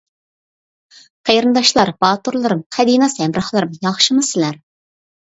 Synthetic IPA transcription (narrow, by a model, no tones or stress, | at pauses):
qʰejɾɨnd̪ɑʃlˠɑɾbɑːt̪uɾlˠɨɾɨmqʰæd̪inɑsɛmɾɑχlˠɨɾɨmjɑχʃɨmɨsɪlæɾ